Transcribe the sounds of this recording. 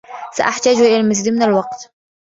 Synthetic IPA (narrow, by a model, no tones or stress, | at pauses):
sa̰ʔaħt̪aːd͡ʒʔɪlalmʊziːd̪mɪnalwɑqt̪